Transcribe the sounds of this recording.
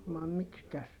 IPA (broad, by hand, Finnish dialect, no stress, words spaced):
ʋɑi mikskæs